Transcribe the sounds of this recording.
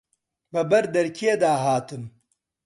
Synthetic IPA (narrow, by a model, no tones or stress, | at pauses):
bɨbɐɾd̪ɐɾkʰied̪aːɦaːt̪ɨm